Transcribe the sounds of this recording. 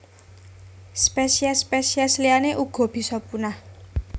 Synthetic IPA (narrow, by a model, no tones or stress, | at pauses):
spesiaspesiaslianeʔuɡ̥ɔ̤b̥i̤sɔpunah